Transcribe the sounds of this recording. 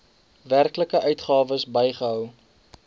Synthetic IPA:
værkləkəʔœɥtχɑːvəsbəjχəɦœw

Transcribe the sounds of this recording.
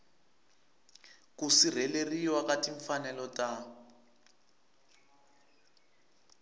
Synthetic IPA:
kusir̤ɛleriwakatiɱfanɛlɔta

